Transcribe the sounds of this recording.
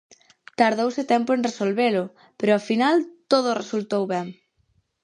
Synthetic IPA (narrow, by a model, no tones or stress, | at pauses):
t̪aɾð̞owsɪt̪ɛmpʊenresolβelʊ | peɾʊafinalt̪oð̞ʊresult̪owβɛŋ